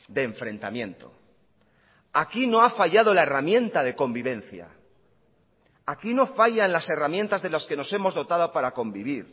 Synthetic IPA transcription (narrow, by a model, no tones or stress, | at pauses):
d̪e̞ːɱfɾe̞nt̪a̰mjẽ̞nt̪o̰ | akino̞afaʝaðo̞laeramje̞nt̪aðe̞ko̞mbiβ̞e̞n̟θja̰ | akino̞faʝanlase̞ramje̞nt̪azðe̞laske̞no̞se̞mo̞zðo̞t̪aðo̞paɾako̞mbiβ̞iɾ